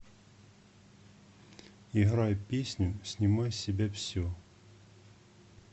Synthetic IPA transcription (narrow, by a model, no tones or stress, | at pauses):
iɦɾɑjpʲisʲnʲʊsʲnʲimɑjsʲɪbʲɛwsʲɔ